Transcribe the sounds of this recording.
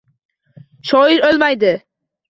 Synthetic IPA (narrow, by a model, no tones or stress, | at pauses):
ʃɒjɪɾolmajd̪ɪ